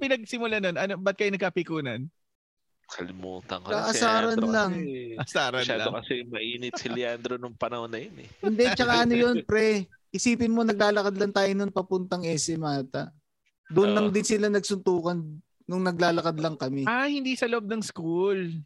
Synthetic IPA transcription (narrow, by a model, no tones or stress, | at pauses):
pɪnɐɡ̚sɪmʊlanonɐnobɐt̪̚kɐjnɐɡ̚kɐpɪkuːnɐn | kʰɐlɪmṵːt̪ɐ̰ŋkok̪aʔɐaːɾɐnlɐŋʔɐsaːɾɐʃaːlokɐsɛmɐʔiːnɪt̪sɪlɪand̪ɾonʊŋpɐnɐhonːɐjonɛ̰kʊnd̪ɛt͡ʃɐkaʔɐnojo̞npɾɛ | ʔɪsiːpɪnmo̞nɐɡ̚laːlɐkad̪lɐŋt̪aːjonʊnpɐpʊnt̪ɐŋʔɛsɛmaːt̪ɐ | d̪ʊnlɐŋd̪ɪnsɪlanɐɡsʊnt̪uːkɐn | nʊŋnɐɡ̚laːlɐkad̪lɐŋkɐmɛahɪnd̪iːsɐloʔob̚nɐŋskul